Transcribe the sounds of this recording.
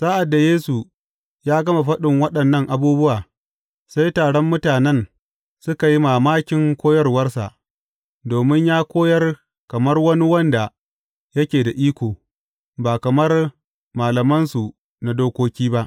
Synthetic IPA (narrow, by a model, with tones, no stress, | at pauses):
saː˦ʔa˨dːa˨jeː˦su˨ | jaː˦ɡɐ˦ma˨ɸɐ˦ɗɪ˨ŋwɐ˦ɗɐ˨nːɐ˦˨ŋʔa˨buː˦bʊ˦waː˨ | sa˦jtaː˨ɽɔ˦mːʊ˦taː˨nɛ˦n | sʊ˦ka˨ji˦maː˨maː˦kʲɪ˨ŋkʷoː˦jɐ˦rwɐ˦rsa̰˨ʔ | doː˨mɪ˦ɲjaː˦kʷoː˦jɐ˦r | kɐ˨mɐ˦rwɐ˦ni˦wɐ˦nda˨ | jɐ˦kʲeː˨da˨ʔiː˦kʷoː˨ | baː˨kɐ˨mɐ˦r | maː˨lɐ˨mɐ˦nsu˨ | na˨doː˦kʷoː˦kʲiː˦ba˦ʔ